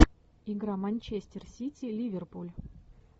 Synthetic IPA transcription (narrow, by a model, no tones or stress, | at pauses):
iɡɾamɐnʲt͡ɕesʲtʲɪrsʲitʲilʲivʲerpulʲ